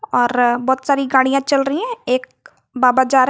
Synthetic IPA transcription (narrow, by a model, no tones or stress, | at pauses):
ɔːɾbɔːt̪saːɾiɡaːɽ̃ijãt͡ʃɐlɾəɦiɦɛ̃eːk̚ | baːbad͡ʒaːɾ